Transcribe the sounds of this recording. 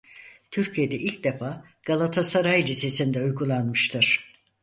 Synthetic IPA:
t̪ʰyɾcʰije̞d̪ɛʔilʲc̚d̪e̞faː | ɡ̥alˠat̪ʰasaɾajlise̞sind̪ɛujɡulˠanmɯʃt̪ʰɯɾ̥

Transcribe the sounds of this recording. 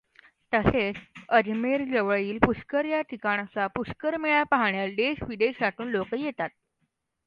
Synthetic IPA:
t̪əset͡səd͡ʑmeɾd͡zəʋəɭiːlpuskəɾjaʈ̪ʰikaɽ̃at͡sapuskəɾmeɭjapaɦɳjalɖ̪eɕʋid̪esaʈuːnlokəjet̪at̪̚

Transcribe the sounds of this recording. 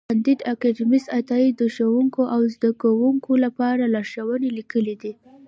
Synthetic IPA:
and̪id̪akaɖimist̪at̪ɑid̪əʃawuŋkoʔawzd̪akawuŋkʰolapɑɾalɑʃawənelikəlid̪i

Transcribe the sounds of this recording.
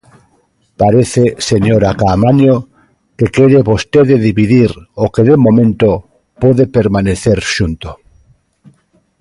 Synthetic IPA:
paɾeθeseɲoɾakamanjo | kekeɾeβost̪eðeðiβiðiɾokeðemõmẽnt̪o | poðepeɾmaneθeɾʃunt̪o

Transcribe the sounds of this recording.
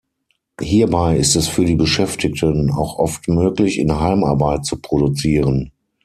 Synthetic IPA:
hiːɐbaɪɪstɛsfyːɐɾiːbəʃɛftʰɪk̚tʰəna̰ʊxʔɔftmøːklɪçɪ̰nɦaɪmaɐbaɪtt͡supʁ̥oɾut͡siːʁən

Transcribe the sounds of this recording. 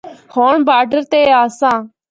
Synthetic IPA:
hoːɳbaːɾɖəɾt̪eːaːsãː

